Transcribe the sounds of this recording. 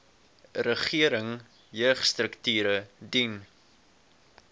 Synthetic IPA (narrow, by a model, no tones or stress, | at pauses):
rəχiəɾəŋ | jœːχstrəktyːɾədin